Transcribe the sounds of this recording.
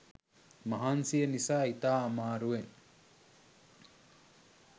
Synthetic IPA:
maɦansienisait̪aːmaɾuen

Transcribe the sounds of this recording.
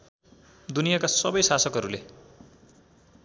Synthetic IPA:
d̪unijakasʌbʌjsasʌkɦʌɾule

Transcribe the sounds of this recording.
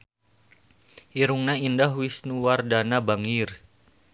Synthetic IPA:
ʔiɾuŋnaindaɦwisnuwardanabaŋir

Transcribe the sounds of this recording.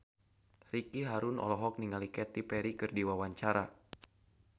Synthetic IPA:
rikiɦaɾunɔ̰lɔɦɔk̚niŋalikɛt̪ipɛɾikɨrdiwawaɲt͡ʃaɾa

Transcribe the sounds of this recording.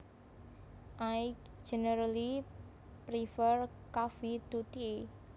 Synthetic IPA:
ʔajk | d͡ʒ̥ɛnəɾali | pɾifərkafit̪ut̪ie

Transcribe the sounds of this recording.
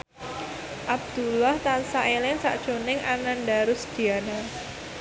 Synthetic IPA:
ʔab̚d̪̥ulaht̪ansaʔelɪŋsa̰ʔd̥ʒ̥o̤nɪŋʔanandaɾʊsd̪̥i̤ana

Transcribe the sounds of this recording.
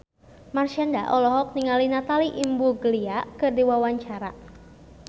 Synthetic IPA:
marʃanda̰ʔɔlɔɦɔk̚niŋalinat̪aliʔimbuɡəliakɨrdiwawaɲt͡ʃaɾa

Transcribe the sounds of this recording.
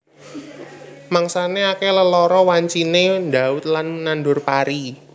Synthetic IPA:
maŋsaneakeləlɔɾɔwaɲt͡ʃinend̪a̤ʊt̪̚lanmənanɖʊrpaɾi

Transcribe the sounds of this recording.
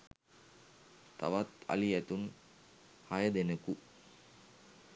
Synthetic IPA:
t̪a̰ʋat̪ɐ̰lijɐt̪un | hajəd̪enəku

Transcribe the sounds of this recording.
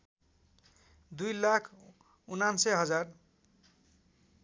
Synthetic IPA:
d̪ujlakʰ | unansʌjɦʌd͡zar

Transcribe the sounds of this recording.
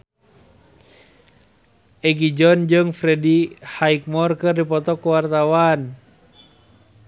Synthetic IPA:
ɛɡid͡ʒɔnd͡ʒɨŋfɾɛdihaik̚mɔrkɨrdipɔt̪ɔkuwart̪awan

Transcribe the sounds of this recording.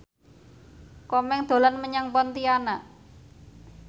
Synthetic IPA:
kɔmɛŋd̪̥o̤lanməɲaŋpɔnt̪ianaʔ

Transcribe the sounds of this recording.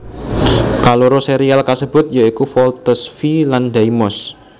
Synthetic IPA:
kaloɾoseɾialkasəb̥ʊ̤t̪̚jaikufɔlt̪əsfilandaimɔs

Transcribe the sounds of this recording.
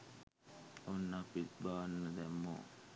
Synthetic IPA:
onːapit̪baːnːəd̪ɛmːo̰ː

